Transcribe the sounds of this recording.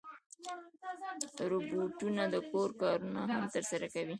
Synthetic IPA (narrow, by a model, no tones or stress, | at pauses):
ɾobuʈunad̪əkoɾkɑɾunaɦamt̪əɾsaɾakawi